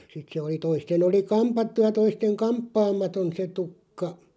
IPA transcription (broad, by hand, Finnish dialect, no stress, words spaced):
sit se oli toisten oli kɑmpɑtːu jɑ toisteŋ kɑmpːɑːmɑton se tukːɑ